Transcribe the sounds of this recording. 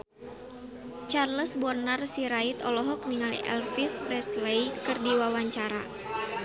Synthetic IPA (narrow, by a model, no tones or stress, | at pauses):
t͡ʃarləsbɔrnarsiɾait̪ɔlɔɦɔk̚niŋalḭʔɛ̰lfisprɛslejkɨrdiwawaɲt͡ʃaɾa̰